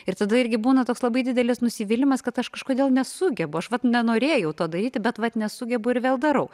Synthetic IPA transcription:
ɪrt̪ɐd̪ɐɪɾʲɡʲɪbuːnɐt̪oːkslˠɐbɐɪd̪ʲɪd̪ʲɛlʲɪsnʊsʲiʋʲɪlʲɪmɐskɐt̪ɐʃkɐʃkoːd̪ʲeːlˠnʲɛsʊɡʲɛbʊɐʃʋɐt̪nʲɛnoːɾʲeːjɛʊt̪oːd̪ɐɾʲiːt̪ʲɪbʲɛt̪ʋɐt̪nʲɛsʊɡʲɛbʊɪɾʋʲeːlˠd̪ɐɾɐʊ

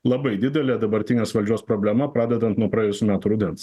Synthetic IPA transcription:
lˠɐbɐɪd̪ʲɪd̪ʲɛlʲeːd̪ɐbɐɾʲt̪ʲɪnʲeːsʋɐlʲd͡ʒʲuɔspɾoːbʲlʲɛmɐpɾɑːd̪ʲɛd̪ɐnt̪nuɔpɾɑːɛːjʊsʲuːmʲæːt̪uɾʊd̪ʲɛnt̪s

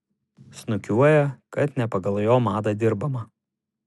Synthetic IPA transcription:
snʊkʲuɔjɛkɐt̪nʲɛpɐɡɐlˠjoːmɑːd̪ɐd̪ʲɪɾbɐmɐ

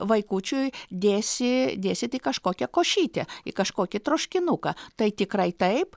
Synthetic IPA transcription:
ʋɐɪkuːt͡ʃʲujd̪ʲeːsʲɪd̪ʲeːsʲɪt̪ikɐʃkoːkʲɛkoːʃʲiːt̪ʲɛɪ̰kɐʃkoːkʲɪt̪ɾoːʃʲkʲɪnukɐt̪ɐɪt̪ʲɪkɾɐɪt̪ɐɪp

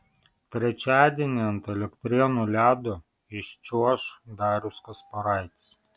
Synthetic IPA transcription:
t̪ʲɾʲɛt͡ʃʲæːd̪ʲiɛnʲiɐnt̪ɛlʲɛkt̪ʲɾʲiɛnuːlʲæːd̪ʊ | ɪʃt͡ʃʲuɔʃd̪ɑːɾʲʊskɐspɐɾɑɪt̪ʲs

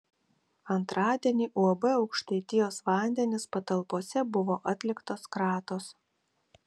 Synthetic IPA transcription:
ɐnt̪ɾɑːd̪ʲiɛnʲiːʔuɐbɛɒʊkʃʲt̪ɐɪt̪ʲɪjoːsʋɑˑnʲd̪ʲɛnʲɪspɐt̪ɐlˠpoːsʲɛbʊʋoːʔɐt̪ʲlʲɪkt̪oːskɾɑːt̪oːs

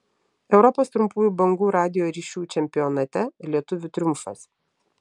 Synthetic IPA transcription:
ɛʊɾɔpoːst̪ɾʊmpuːjuːbɐŋɡuːɾɑːd̪ʲɪjoːɾʲiːʃʲuːt͡ʃʲɛmʲpʲɪjɔːnɐt̪ʲɛlʲiɛt̪ʊʋʲʊt̪ʲɾʲʊmfɐ̰s

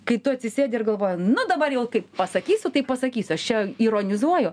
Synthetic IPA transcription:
kɐɪt̪ʊɐt̪ʲsʲɪsʲeːd̪ʲɪrɡɐlˠʋoːjʊnʊd̪ɐbɐrjɛʊkɐɪppɐsɐkʲiːsʲʊt̪ɐɪppɐsɐkʲiːsʲʊɐʃt͡ʃʲɛiːɾoːnʲɪzuɔjʊ

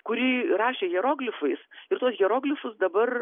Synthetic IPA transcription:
kʊɾʲiːrɑːʃʲeːɣʲɛɾoːɡlʲɪfɐɪsɪɾt̪uɔsɣʲɛɾoːɡlʲɪfʊsd̪ɐbɐr

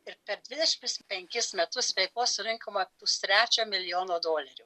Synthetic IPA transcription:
ɪɾpʲɛɾd̪ʲʋʲɪd̪ʲɛʃʲɪmt̪ʲɪspʲɛŋʲkʲɪsmʲɛt̪ʊsʋʲɛɪkoːsʊɾʲɪŋkomɐpʊst̪ʲɾʲæːt͡ʃʲoːmʲɪlʲɪjoːnoːd̪oːlʲɛɾʲʊ

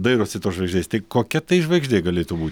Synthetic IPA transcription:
d̪ɐɪɾoːsʲɪt̪oːsʒʋɐɪɡʒʲd̪ʲeːst̪ɐɪkoːkʲɛt̪ɐɪʒʋɐɪɡʒʲdʲeːɡɐlʲeːt̪uːbuːt̪ʲ

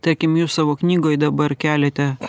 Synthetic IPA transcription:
t̪ɐɾʲkʲɪmjuːssɑːʋoːknʲiːɡoːjd̪ɐbɐɾkʲæːlʲɛt̪ʲɛ

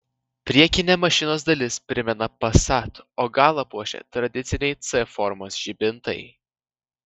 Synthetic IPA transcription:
pʲɾʲiɛkʲɪnʲɛmɐʃʲɪnoːs̬d̪ɐlʲɪspʲɾʲɪmʲɛnɐpɐsɑt̪oːɡɑːlˠɐpuɔʃʲḛt̪ɾɐd̪ʲɪt̪sʲɪnʲɛɪt̪sɛfɔɾmoːsʒ̥ʲibʲɪnt̪ɐ̰ɪ

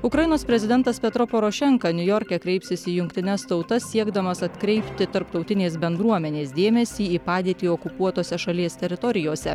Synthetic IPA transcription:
ʊkɾɐjɪnoːspʲɾʲɛzʲɪd̪ʲɛnt̪ɐspʲɛt̪ɾopɔɾoːʃʲɛŋkɐnʲʊjɔɾʲkʲɛkɾʲɛɪpsʲɪsʲiːjʊŋkʲt̪ʲɪnʲɛst̪ɒʊt̪ɐsʲiɛɡd̪ɐmɐsɐt̪kɾʲɛɪpʲt̪ʲɪt̪ɐɾpt̪ɒʊt̪ʲɪnʲeːs̬bʲɛnd̪ɾuɔmʲɛnʲeːsd̪ʲeːmʲɛsʲiːiːpɑːd̪ʲeːt̪ʲiːɔkʊpuɔt̪oːsʲɛʃɐlʲiɛsʲt̪ʲɛɾʲɪt̪ɔɾʲɪjoːsʲɛ

